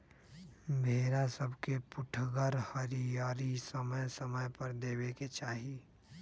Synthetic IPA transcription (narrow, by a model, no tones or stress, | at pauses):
bʱeːɾasəbkepʊʈʰɡəɾhəɾijaːɾisəməjsəməjpəɾd̪eːweket͡ʃaːɦi